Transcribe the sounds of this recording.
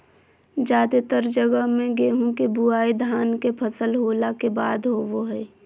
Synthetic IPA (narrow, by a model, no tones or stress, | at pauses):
d͡ʒaːd̪et̪əɾd͡ʒəɡəɦmẽɡeːɦũkebuaːid̪ʱaːnkepʰəsəlɦoːlakebaːd̪ɦoːʋoɦɛː